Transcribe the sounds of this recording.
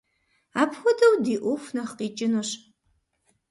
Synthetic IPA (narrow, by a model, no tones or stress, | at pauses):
aːpʰxʷɔdɐwdiːʔʷɔxʷnɐχqiːt͡ʃʼɪnoɕ